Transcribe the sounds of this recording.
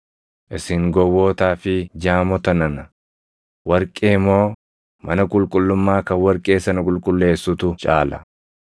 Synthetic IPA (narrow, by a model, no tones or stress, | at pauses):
ʔɪsɪŋɡɔwːo̞ːt̪aːfɪd͡ʒaːmɔt̪ɐnɐnɐ | wɐɾkʼeːmːo̞ː | mʔɐnɐkʼʊlkʼʊlːʊmːaːkɐwɐɾkʼe̞ːsɐnɐkʼʊlkʼʊlːe̞ːsːʊt̪ʊt͡ʃʼa̰ːlɐ̰